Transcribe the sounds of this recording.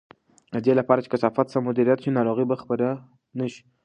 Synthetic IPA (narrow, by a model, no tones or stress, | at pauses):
d̪elapɑɾat͡ʃe̥kasɑfat̪samʊd̪iɾijat̪ʃinɑɾoɣibaxpəɾa | naʃi̥